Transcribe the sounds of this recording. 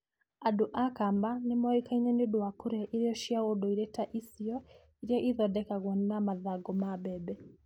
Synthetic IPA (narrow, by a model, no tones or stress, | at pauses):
aduʔakambanɪmɔikaiɲɛneduakuɾɛʔiɾijɔʃiawɔdɔiɾɛtaʔisiɔ | iɾiɔʔiðɔdɛkaɣwannamaðaɡɔmabɛbɛ